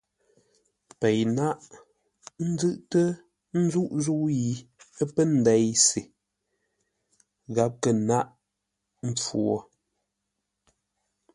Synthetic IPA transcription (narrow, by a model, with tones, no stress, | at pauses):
pɛ˨jna˦ʔ | n̩˦zɨ˦ʔtə˦ | n̩˦zu˦ʔzu˦ji˨ə˦pə˦n̩˨dɛ˨˦jse˨ | ɣa˦p̚kə˨na˦ʔ | m̩˦p͡fu˦˨ɔ˦˨